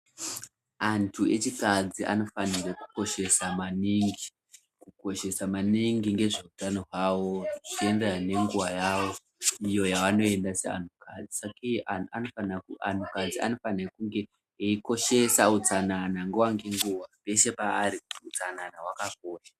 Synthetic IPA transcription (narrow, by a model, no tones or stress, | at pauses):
antʰue̞̰t͡ʃikad͡ziʔa̰no̞fanireku̥ko̞ʃe̞samaniŋɡi | kuko̞ʃe̞samaniŋɡiŋɡe̞ʐeutanoɦwawo̞ʐit͡ʃenderane̞ŋɡuwajaːwo̞ | ijo̞jaʋano̞e̞ndasea̰ntʰukad͡zisakiano̞fanaka̰ntukad͡zia̰no̞fanrekuŋɡe̞ | eiko̞ʃe̞saut͡sananaŋɡewaŋɡe̞ŋɡuwape̞ʃe̞paːɾikutiut͡sananawakakoːra